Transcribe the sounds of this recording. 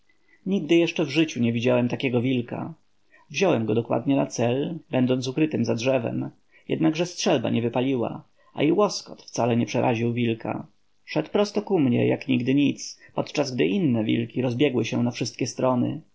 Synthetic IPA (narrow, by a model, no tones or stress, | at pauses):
ɲiɡd̪ɘjɛʂt͡ʂɛvʐɘt͡ɕuɲɛvʲid͡ʑawɛmt̪akʲɛɡɔvʲilka̰ | vʑɔwɛmɡɔd̪ɔkwa̰d̪ɲɛnat̪sɛlbɛnd̪ɔnt̪sukɾɘt̪ɘmzadʐɛvɛ̰m | jɛ̰d̪naɡʐɛstʂɛlba̰ɲɛvɘpalʲiwa̰ | a̰iwɔskɔt̪ft̪salɛɲɛpʂɛɾʔaʑiwvʲilkʰa̰ | ʂɛt̪pɾɔst̪ɔkumɲɛ̰ja̰kɲiɡd̪ɘɲit̪spɔt̪t͡ʂazɡd̪ɘʔinːɛvʲḭlkʲiɾɔzbʲjɛɡwɘɕɛnafʂɘst̪̚kʲɛst̪ɾɔnɘ̰